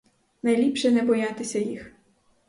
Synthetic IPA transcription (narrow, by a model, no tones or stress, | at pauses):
nɐjlʲipʃɛnɛbɔjat̪ɪsʲɐjix